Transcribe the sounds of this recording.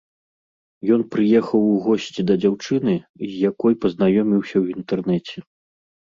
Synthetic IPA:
jɔnpɾɨjɛxɐwɣɔsʲt͡sʲid̪ɐd͡zʲawt͡ʂɨn̪ɨzʲjakɔjpɐznajɔmʲiwsʲɐwint̪ɛrnɛt͡sʲɛ

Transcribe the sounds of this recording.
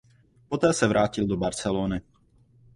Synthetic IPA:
pot̪ɛːsɛvɾʔaːcɪld̪obaɾt͡sɛloːnɪ

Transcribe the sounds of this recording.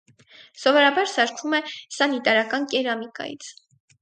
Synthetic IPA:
sɔvɔɾɑbɑɾsɑɾkʰvumɛsɑnit̪ɑɾɑkɑnkɛɾɑmikɑ̰jḭt͡sʰ

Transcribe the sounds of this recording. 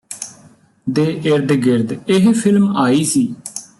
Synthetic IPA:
d̪eːʔɪɾd̪ɡɪɾd̪ɪɦpʰɪlmaːiːsiː

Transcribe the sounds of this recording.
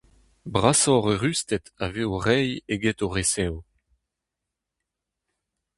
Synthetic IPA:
bʁasɔʁøʁyst̪ɛtaveːoʁɛjeɡɛtoʁesɛw

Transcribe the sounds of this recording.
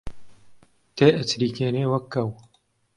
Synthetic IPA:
t̪ʰeːʔɨt͡sɾiːkeːneːwɐkʰːɐw

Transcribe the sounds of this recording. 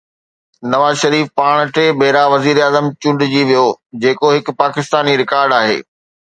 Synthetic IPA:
nɐʋaːzʃɐɾiːfpaːɽ̃ʈeːbʱeːɾaʋɐziːɾaːzəmt͡ɕʊ̃ɳɖd͡ʑiːʋijod͡ʑeːkoɦɪkpaːkɪst̪aːniɾɪkaːɾɖaːɦḛː

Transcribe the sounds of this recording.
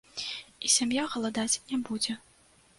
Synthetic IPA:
isʲamjaɣɐlˠad̪at͡sʲnʲɛbud͡zʲɛ

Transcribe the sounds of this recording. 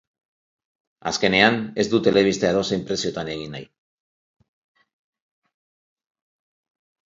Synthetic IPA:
a̰ske̞ne̞ane̞zd̪ut̪e̞le̞β̞ist̪eaðo̞seimpɾe̞sio̞t̪ane̞ɣ̞ina̰j

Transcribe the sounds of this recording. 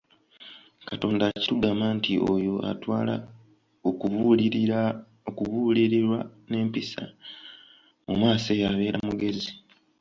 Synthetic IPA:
kato̞ːndaːci̥tuɡamaːntiojo̞ʔa̰twaːla̰ | okuβu | okuβuːliɾiɾwane̞ːmpisa̰ | mṵmaːse̞jaβe̞ːɾamuɡe̞zi

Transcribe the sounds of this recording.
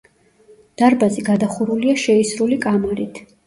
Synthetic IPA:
d̪̥aɾbaziɡad̪aχuɾuliaʃɛisɾulikʼamaɾit̪ʰ

